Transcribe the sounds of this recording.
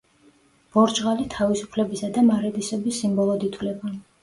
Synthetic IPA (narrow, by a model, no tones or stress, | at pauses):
b̥ɔɾd͡ʒʁalit̪ʰavisu̥pʰlɛbisad̪amaɾɛd̪isɛbisːimbɔlˠɔd̪it̪ʰwlɛba